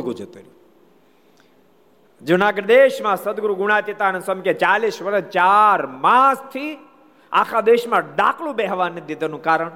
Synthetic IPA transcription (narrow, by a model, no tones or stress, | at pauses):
ɡud͡ʒət̪uɾi | d͡ʒunaːɡəɾd̪eːʃmãsəd̪ɡɾuɡʊɽ̃at̪it̪anəsəmket͡ʃaːlisʋəɾət͡ʃaɾmaːst̪ʰi | a̰ːkʰad̪eːʃmãɖa̰ːkʰlũbɛɦʋaːnːid̪id̪nũkaːɾəɳ̃